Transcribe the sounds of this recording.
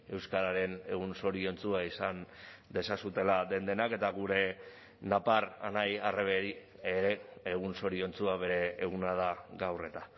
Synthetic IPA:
e̞wskaɾaɾe̞ne̞ɣunso̞ɾio̞nt͡suaisand̪e̞sasut̪e̞laðe̞nd̪e̞nake̞t̪aɣuɾe̞ | napara̰najareβe̞ɾi | eɾe̞eɣ̞unso̞ɾio̞nt͡suaβe̞ɾe̞ːɣ̞unaðaɡawre̞t̪a

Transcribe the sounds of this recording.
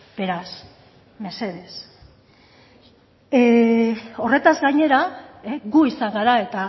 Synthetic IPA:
b̥e̞ɾas | me̞se̞ðe̞s | o̞re̞t̪azɡaɲe̞ɾaeɣuisaŋɡaɾae̞t̪a

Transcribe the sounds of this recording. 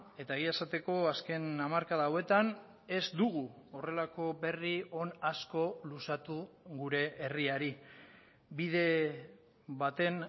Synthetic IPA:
e̞t̪aeɣiaesat̪e̞ko̞aske̞namaɾkaðaːwe̞t̪an | e̞zd̪uɣuo̞re̞lako̞be̞rio̞nasko̞lusat̪uɣuɾe̞ːriaɾi | biðe̞ | bat̪e̞n

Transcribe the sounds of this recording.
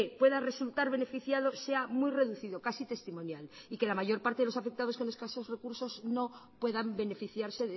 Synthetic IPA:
epwe̞ðare̞sult̪aɾβ̞e̞ne̞fiθjaðo̞se̞amwujre̞ðuθiðo̞kasit̪e̞st̪imõ̞njal | ike̞lamaʝo̞ɾpaɾt̪eelosafe̞k̚t̪aðokoneskaesosre̞kuɾso̞zno̞pwe̞ðambe̞ne̞fiθjaɾse̞ð

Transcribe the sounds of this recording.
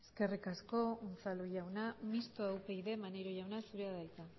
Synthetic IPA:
eske̞rikasko̞unt͡saluʝawnamist̪oawpe̞jðe̞maneɾoʝawnasuɾeaðajt̪a

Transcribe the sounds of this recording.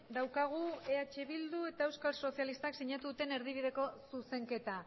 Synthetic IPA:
d̪awkaɣ̞ue̞at͡ʃe̞βild̪ue̞t̪ae̞wskalso̞sijalist̪aksiɲat̪uðut̪e̞ne̞ɾðiβið̞e̞ko̞suse̞ŋke̞t̪a

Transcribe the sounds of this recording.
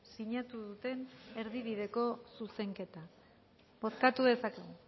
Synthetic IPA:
siɲat̪uðut̪e̞ne̞ɾðiβið̞e̞ko̞suse̞ŋke̞t̪a | bo̞skat̪uðe̞sakeɣu

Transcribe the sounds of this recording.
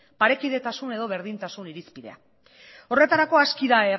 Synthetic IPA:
paɾe̞kiðe̞t̪asune̞ðo̞βe̞ɾðint̪asuniɾispiðe̞̰a̰ | o̞re̞t̪aɾako̞askiðaer

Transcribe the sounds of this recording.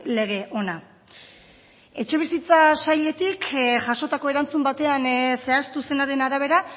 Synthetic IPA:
le̞ɣ̞e̞ʔo̞na | e̞t͡ʃe̞β̞isit͡sasajʎe̞t̪ikʝaʃo̞t̪ako̞eɾant͡sumbat̪e̞anse̞ast̪use̞naɾe̞naɾaβ̞e̞ɾa

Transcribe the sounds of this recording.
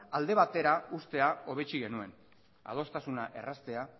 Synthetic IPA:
ald̪e̞β̞at̪e̞ɾaust̪e̞ao̞β̞e̞t͡ʃiɣe̞nue̞n | a̰ð̞o̞st̪asunaʔe̞̰rast̪e̞a

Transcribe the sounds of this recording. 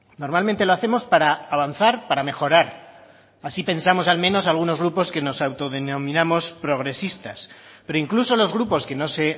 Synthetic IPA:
no̞ɾmalment̪e̞loaθemo̞spaɾaːβanθaɾpaɾame̞xo̞ɾaɾ | asipẽ̞nsamo̞salmẽ̞no̞salɣ̞uno̞zɣ̞ɾupo̞ske̞no̞sawt̪o̞ðenõ̞mĩnamo̞spɾo̞ɣ̞ɾe̞sist̪aspe̞ɾo̞iŋkluso̞lo̞zɣɾupo̞ske̞no̞se̞

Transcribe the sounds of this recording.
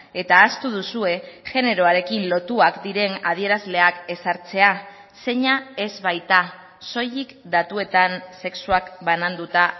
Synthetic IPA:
e̞t̪aːst̪uð̞usue̞ʝe̞ne̞ɾo̞aɾe̞kinlo̞t̪uakd̪iɾe̞naðie̞ɾazle̞ake̞saɾt͡se̞a | se̞ɲae̞zβajt̪a | so̞jikd̪at̪ue̞t̪anse̞ksuakbanand̪ut̪a

